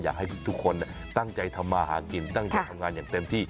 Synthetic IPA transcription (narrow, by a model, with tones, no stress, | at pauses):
jaː˨˩k̚ha˥˩t̪ʰu˦˥˩kʰːo˧n˧˩ | t̪a˥˩ŋt͡ɕa˧jt̪ʰa˧mːaː˧haː˩˦ki˨˩nt̪a˥˩ŋt͡ɕa˧jt̪ʰa˧mŋaː˧njaː˨˩ŋt̪e˧mt̪ʰiː˥˩